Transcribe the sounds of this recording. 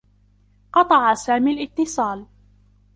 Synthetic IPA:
qɑt̪ˤɑʕasaːmiːalʔɪt̪ːɨsˤɑːl

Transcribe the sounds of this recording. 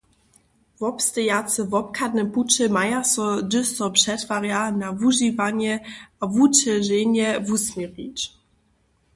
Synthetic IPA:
vɔpst̪əjat̪sɛvɔp̚kʰad̪nɛput͡ʃɘmajasɔdɘsɔpʂɛt̪vaʁjanavuʐivaɲɛavut͡ʃɛʐeɲɛvusmʲɛvit͡ʃ

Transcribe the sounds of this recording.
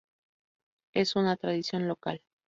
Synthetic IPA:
e̞sunat̪ɾaðisjo̞nlo̞kal

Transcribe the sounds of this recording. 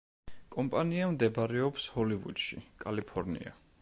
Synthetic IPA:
kʼɔmpʼaniamd̪ɛbaɾɛɔpshɔlivṵd̪̥ʃḭkʼalipʰɔɾnḭa̰

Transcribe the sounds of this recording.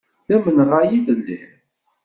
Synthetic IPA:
θæmənʁajiθəlːḭ

